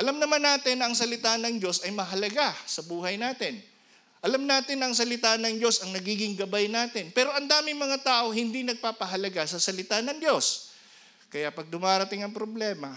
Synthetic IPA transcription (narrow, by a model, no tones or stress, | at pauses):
ʔɐlamnɐmanːaːt̪ɪnːɐʔɐŋsɐlɪt̪anɐŋdd͡ʒo̞sɐjmɐɦɐlɐɡasɐbuːhɐjnaːt̪ɪn | ʔɐlamnaːt̪ɪnɐɐŋs̬ɐlɪt̪anɐŋd͡ʒo̞sɐŋnɐɡiːɡɪŋɡɐbajnaːt̪ɪnpɛːɾo̞ʔɐnd̪aːmɪŋmɐŋat̪aːʔo̞hɪnd̪inɐɡ̚paːpɐɦɐlɐɡasɐsɐlɪt̪anɐŋd̪jo̞s | kɐjapɐɡ̚d̪ʊmaːɾɐt̪ɪŋɐŋpɾoblɛːmɐ